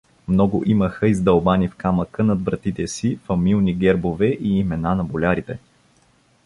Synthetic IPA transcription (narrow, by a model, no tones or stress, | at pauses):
mnɔɡʊʔiməxəizd̪ɐlˠbanifkaməkənɐd̪vɾɐt̪it̪ɛsifɐmilˠniɡɛɾbovɛʔiːmɛnanɐbolʲaɾit̪ɛ